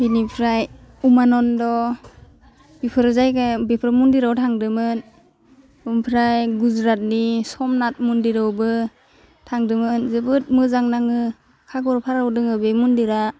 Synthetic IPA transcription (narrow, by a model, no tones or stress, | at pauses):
binipʰɾajumanɔndɔ | bipʰɯɾzajkabepʰɾamundiɾawtʰaŋdɯmɯn | umpʰɾajɡuzɾat̚nisɔmnat̚mundiɾawbɯ | tʰaŋdɯmɯnzɯbɯt̚mɯzaŋnaŋɯ | kʰaɡɔɾpʰaɾawdɯŋɯbemundiɾa